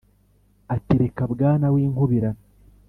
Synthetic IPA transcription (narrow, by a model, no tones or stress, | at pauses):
atiɾekabɡaːnawiːŋhuβiɾan